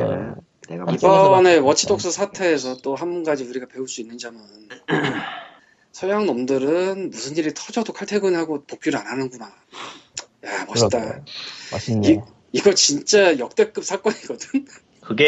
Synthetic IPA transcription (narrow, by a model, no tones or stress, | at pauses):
ibʌne̞wʌt͡ɕʰidok̚s͈ɯsʰatʰe̞ːsʰʌt͈oɦanbunɡad͡ʑiuɾiɡape̞uɭs͈uinːɯnd͡ʑamɯn | sʰʌjaŋnʌmdɯɾɯnmusʰɯniɾitʰʌd͡ʑʌdokʰaɭtʰe̞ɡɯnɦaɡopok͈uɾɯanɦanɯnɡuna | jamʌɕ͈ʰit͈a | i | iɡʌt͡ɕint͡ɕ͈ajʌk̚t͈e̞k͈ɯp̚sʰak͈ʌniɡʌdɯm | kɯɡ